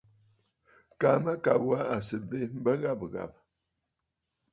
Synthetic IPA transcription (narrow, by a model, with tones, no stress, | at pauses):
ka˨ma˦ka˨bwa˦a˨sɨ˨be˦m̩˦bə˦ɣa˦bɣa̰˨p̚